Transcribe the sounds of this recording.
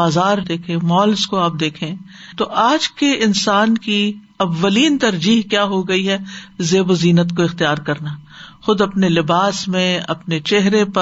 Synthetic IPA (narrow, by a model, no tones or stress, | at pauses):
aːzaːɾd̪eːkʰẽːmɔːlskoaːp̚d̪eːkʰẽ | t̪oʔaːd͡ʒkeɪnsaːnki | ɐʋːɐliːnt̪ɐɾd͡ʒiːɦkjaːɦoɡɐiɦɛːzeːboziːnət̪koɪxt̪ijaːɾkɐɾnaːxʊd̪ɐpnelɪbaːsmẽɐ̰pnet͡ʃɛɦɾepɐ